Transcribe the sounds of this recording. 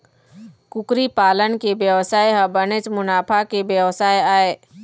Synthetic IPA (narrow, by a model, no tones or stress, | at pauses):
kʊkɾipaːlənkebjəʋsaːjɦɐbənet͡ʃmʊnaːpʰakebjəʋsaːjaːeː